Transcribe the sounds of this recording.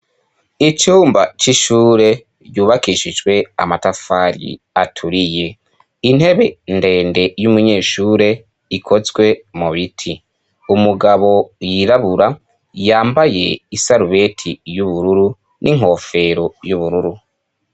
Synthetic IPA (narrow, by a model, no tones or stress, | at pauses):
it͡ʃuːmbat͡ʃiʃuːɾe̞ | ɟuːβakiʃid͡ʒwe̞a̰matafaːɾḭ | atʰuɾije̞ | in̥he̞βe̞nde̞ːnde̞jumuɲe̞ːʃuːɾe̞ | ikʰo̞zɡwe̞muβitʰi | umuɡaβo̞jiɾaβuɾa | jaːmbaje̞isaɾuβe̞tʰijuβuɾuɾu | nʔiŋ̥ɦo̞ːfe̞ɾojuβuɾuɾu